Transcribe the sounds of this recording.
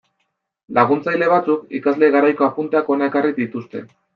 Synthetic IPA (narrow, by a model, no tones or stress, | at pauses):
laɣunt͡sajle̞β̞at͡sukikazle̞ɣaɾajko̞apunt̪eako̞nae̞kariðit̪ust̪e̞̰